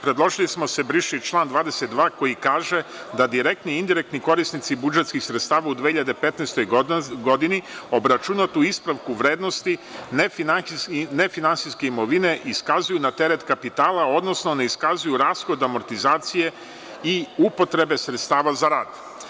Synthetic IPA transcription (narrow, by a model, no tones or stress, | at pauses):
pɾed̪lˠo̞ʒilismo̞se̞bɾiʃit͡ʃlˠaːnd̪ʋaːd̪eset̪̚d̪ʋaːko̞jikaːʒed̪ad̪iɾek̚t̪niind̪iɾekt̪niko̞ɾisnit̪sibud͡ʒet̪skixsɾet̪st̪aːʋaud̪ʋehiʎad̪e̞pe̞t̪neːst̪o̞jɡo̞d̪inio̞bɾat͡ʃunat̪uispɾaʋkuʋɾe̞ːd̪no̞st̪in | ne̞finansiske̞imo̞ʋine̞ʔiskazujunat̪e̞ɾe̞t̪kapit̪aːlˠao̞d̪no̞sno̞ne̞iskazujuɾaːsxo̞d̪amo̞ɾt̪izaːt̪sije̞ | iupo̞t̪ɾe̞be̞sɾet̪st̪aːʋazaɾaːd̪